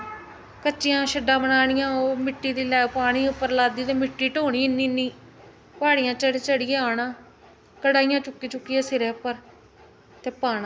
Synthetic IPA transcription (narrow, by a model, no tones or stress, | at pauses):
kət͡ʃɪjãːʃəɖãːbənaːɽɪjãːoːmɪʈːiːd̪iːlɛːpaːɽ̃iːʊpːəɾlaːd̪iːt̪eːmɪʈːiːʈoːɽ̃iːɪnːiːnːiː | paːɽɪjãːt͡ʃəɽeːt͡ʃəɽɪjɛːɳãː | kəɽaːijãːt͡ʃʊkːiːt͡ʃʊkːiɛːsɪɾɛːpːəɾ | t̪eːpaːna